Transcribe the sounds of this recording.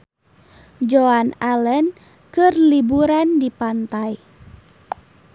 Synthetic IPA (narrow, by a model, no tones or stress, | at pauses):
d͡ʒoanalən | kɨrlibuɾandipant̪aj